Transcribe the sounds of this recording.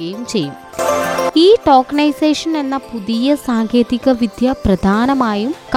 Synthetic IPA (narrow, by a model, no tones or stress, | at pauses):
ɐjumt͡ɕe̞jːum | iːʈoːkɐnɐjse̞ːʂɐne̞nːɐpuðijɐsaːŋkʰjeːðiɣɐʋid̪ʱjɐprɐd̪ʱaːnɐmaːjumk